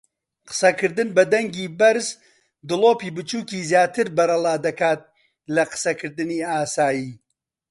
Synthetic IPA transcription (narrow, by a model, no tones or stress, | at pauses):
qə̥sɐkɨɾd̪ɨnbɐd̪ɐŋɡiːbɐɾz | d̪ɨlˠoːpiːbɨt͡ʃuːkiːzjaːt̪ʰɨɾbɐɾɐlˠaːd̪ɐkaːt̪̚ | lɐqɨ̥sɐkʰɨɾd̪ɨniːaːsaːjiː